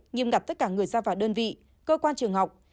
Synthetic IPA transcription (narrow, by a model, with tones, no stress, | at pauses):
ɲi˨˩mɣa˨˩t̪ə˦˥t̚kaː˧˩ŋɨ˨˩əjzaː˧vaː˨˩ɗəː˧nvḭ˧˨ | kəː˧kwaː˧nt͡ɕɨ˨˩əŋɦa˨˩wk͡p̚